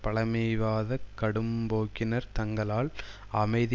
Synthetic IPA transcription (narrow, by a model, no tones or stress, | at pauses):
pɐɭɐmɛjʋaːðɐkːɐɽɯmboːkːɪnɐɾt̪ɐŋɡɐɭaːl | ɐmɐɪð